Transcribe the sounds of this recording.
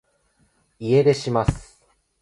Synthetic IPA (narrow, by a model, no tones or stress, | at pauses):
ie̞d̪e̞ɕimasɨ̥